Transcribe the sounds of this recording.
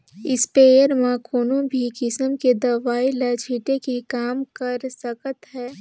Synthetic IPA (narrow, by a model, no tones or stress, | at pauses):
ɪspeːjəɾmãkʰoːnõbʱikɪsəmked̪ɐʋaːilɐd͡ʒʱiːʈekikaːmkəɾsəkət̪ɦɛː